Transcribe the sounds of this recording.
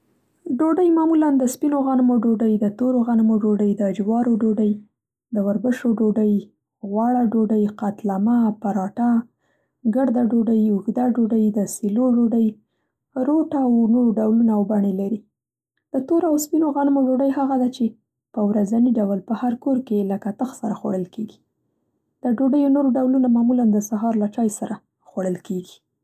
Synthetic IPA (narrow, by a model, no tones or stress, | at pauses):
ɖoɖəjmɑmuland̪əspinoɣanmoɖoɖəjd̪ət̪oɾoɣanmoɖoɖəjd̪əd͡ʒwɑɾoɖoɖəj | d̪əwaɾbəʃoɖoɖəj | ɣwɑɽaɖoɖəjqat̪lamapaɾɑʈa | ɡəɾd̪aɖoɖəjʊɡd̪aɖoɖəjd̪əsiloɖoɖəj | ɾoʈawnoɾoɖawlunaːwbaɳelaɾi | d̪̥ət̪oɾawspinoɣanumoɖoɖəjhaɣad̪at͡ʃe | pəwɾazaniɖawəlpəhaɾkoɾkelakat̪əxsaɾaxwa̰ɽəlkeɡi̥ | d̪̥əɖoɖəjonoɾoɖawlunamɑmuland̪əsaɦɑɾlat͡ʃɑjsaɾa | xwaɽəlkeɡi̥